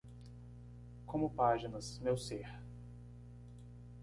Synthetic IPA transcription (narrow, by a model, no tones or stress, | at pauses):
kʰõmʊpaʒinɐzmewseɾ